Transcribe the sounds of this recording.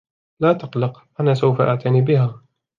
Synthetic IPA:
laːt̪ɑqlɑqʔanaːsawfaʔa̰ʕt̪ʰaniːbɪhaː

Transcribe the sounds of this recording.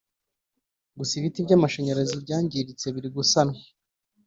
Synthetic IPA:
ɡusiβitibɟamaʃeɲeɾazibɟaːɲɟiɾit͡se̞βiɾiɡusana

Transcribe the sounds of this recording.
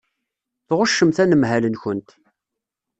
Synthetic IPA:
θʁʊʃːəmθænəmɦælənçʊnt̪

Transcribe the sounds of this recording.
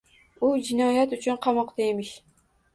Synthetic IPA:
ud͡ʒɪnɒjat̪ʊt͡ʃʰʊnqʰɑmɒqd̪aemɪʃ

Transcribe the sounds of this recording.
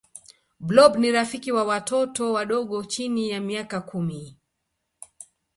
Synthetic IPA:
blɔbniɾafikiwawatɔtɔwaɗɔɠɔt͡ʃinijamiakakumi

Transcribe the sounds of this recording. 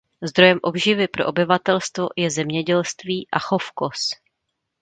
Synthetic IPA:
zd̪ɾo̞jɛmʔo̞bʒɪvɪpɾoʔobɪvat̪ɛlst̪vo̞jɛzɛmɲɛɟɛlst̪viːʔaxo̞fko̞s

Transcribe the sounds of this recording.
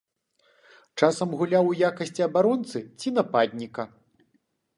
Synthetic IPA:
t͡ʂasɐmɣulʲawjakɐsʲt͡sʲiɐbaɾɔnt̪sɨt͡sʲinɐpad̪ʲnʲikɐ

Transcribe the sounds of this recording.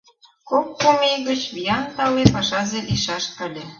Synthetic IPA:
kokːumeɣə̆t͡ɕβijɑnt̪ɑlepɑʃɑzeliʃɑʃkɤ̆lʲĕ

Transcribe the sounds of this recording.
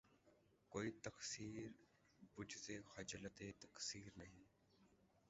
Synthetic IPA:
koːiːt̪əksiːɾ | bʊd͡ʒzeːxəd͡ʒələt̪eːt̪əksiːɾnəɦĩː

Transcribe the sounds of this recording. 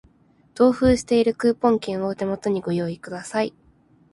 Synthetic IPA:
t̪o̞ːɸɯːɕi̥t̪e̞iɾɯ̟kɯ̟ːpõ̞ŋkʲĩɰ̃ot̪e̞mo̞t̪o̞ɲ̟iɡo̞jo̞ːikɯ̟d̪asai

